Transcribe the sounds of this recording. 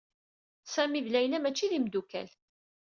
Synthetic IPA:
sæmivlæjlæmæt͡ʃːiðimd̪ukæ̰l

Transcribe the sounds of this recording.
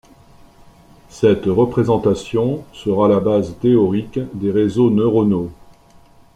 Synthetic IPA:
sɛt̪ʁəpχezɑ̃t̪asjɔ̃səʁalabazt̪eɔʁikd̪eʁezonøʁɔno

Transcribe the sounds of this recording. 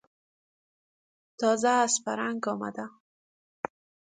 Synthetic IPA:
t̪ɑzaːspaɾaŋɡɔma̰d̪a

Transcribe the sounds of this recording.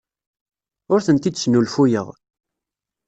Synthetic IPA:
ʊɾθənt̪id̪snulfujə̰ʁ

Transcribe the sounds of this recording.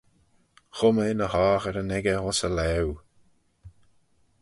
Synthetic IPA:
xʊməɪnəhaːxəɾənɛɡəhɔsəlɛw

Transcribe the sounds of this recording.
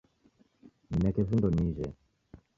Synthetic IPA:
minɛkɛvind̪ɔniʒɛ̰

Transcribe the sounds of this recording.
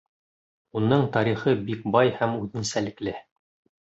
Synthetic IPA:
unɤɴt̪ɑɾiχɤbik̚bɑjhæmʉðɘnsælɘ̆klɘ

